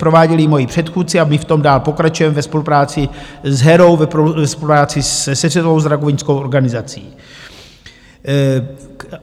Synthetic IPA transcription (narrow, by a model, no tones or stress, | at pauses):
pɾo̞vaːɟɛlɪmo̞jipr̝̥ɛt̪xuːtt͡sɪamɪft̪o̞mdaːlpo̞kɾat͡ʃujɛmɛvɛspo̞lupɾaːt͡sɪzɦɛɾowvvɛspolupɾaːt͡sɪssɛzɛtovo̞wzɾaɡovɪɲskowʔo̞ɾɡanɪzat͡sḭː